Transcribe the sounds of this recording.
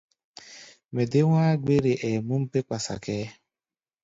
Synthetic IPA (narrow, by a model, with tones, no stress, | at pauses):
me˨de˦ŋʷaː˦ɡ͡be˦ɾe˨ʔe˨mu˦m̩˦pe˦kʷa˨sa̰˨kɛː˦